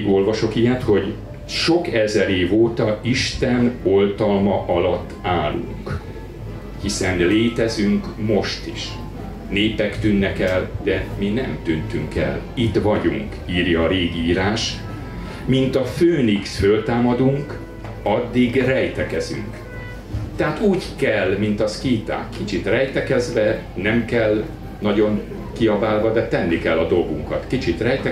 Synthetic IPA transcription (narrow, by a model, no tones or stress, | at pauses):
ɡolvɒʃo̞kijɛt̪ho̞ɟ | ʃo̞kɛzɛɾeːvoːt̪ɒiʃt̪ɛno̞lt̪ɒlmɒʔɒlɒt̪ːaːlṵŋk | hisɛnleːt̪ɛzyŋkmo̞ʃt̪iʃ | neːpɛkt̪ynːɛkɛld̪̥ɛminɛmt̪ynt̪yŋkɛ̰lit̪ʋɒɟuŋk | iːrjɒːɾeːɡiiːɾaːʃ | mint̪ɒføːniksfølt̪aːmɒd̪uŋk | ɒd̪ːiɡrɛjt̪ɛkɛzy̰ŋk | t̪ɛɦaːt̪uːɟkɛlmint̪ɒskiːt̪a̰ːkʰːit͡ʃit̪rɛjt̪ɛkɛzʋɛ | nɛmkɛl | nɒɟo̞ŋ | kiɒvaːlvɒd̪ɛt̪ɛnːikɛlːɒd̪o̞lɡuŋkɒ̰t̪kit͡ʃit̪rɛjt̪ɛ